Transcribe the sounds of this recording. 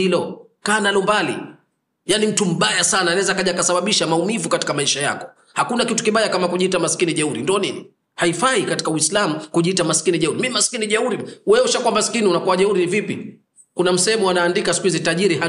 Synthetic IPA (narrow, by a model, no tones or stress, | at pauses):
ilɔ | kaːnalɔmbalḭ | janim̩tum̩ɓajasanaːnaɛzakaʄakasaɓaɓiʃamaumivukati̥kamaiʃaja̰kɔ̥ | hakunakitu̥kiɓajakamakuʄiitamasi̥kiniʄɛuɾindiɔnini | haifaikati̥kawislamukuʄiitamasi̥kiniʄɛuɾimimaskiniʄɛuɾiwɛuʃakuwamasi̥kiniunakuaʄɛuɾinivipi | kunam̩sɛhɛmuanaːndikasi̥kuhizitaʄiɾiha